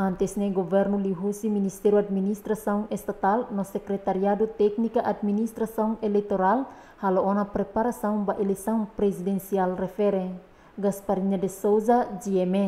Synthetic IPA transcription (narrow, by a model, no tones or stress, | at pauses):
ant̪ɛsnɛɡɔvɛrnuliɦusiminist̪ɛɾuad̚minist̪ɾasauŋɛst̪at̪alnɔsɛkɾɛt̪aɾiadut̪ɛk̚nikaʔad̪̚minist̪ɾasauŋɛlɛk̚t̪ɔɾal | haloɔnapɾɛpaɾasauŋbaʔɛlɛsauŋpɾɛsidɛnsialrɛfɛɾɛ | ɡaspaɾiɲadɛsozad͡ʒiɛmɛ